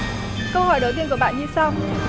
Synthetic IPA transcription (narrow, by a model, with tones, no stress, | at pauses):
kə˧whɔ˧˩jɗə˨˩wt̪i˧ənku˧˩əɓa̰ː˧˨nɲɨ˧sa˧w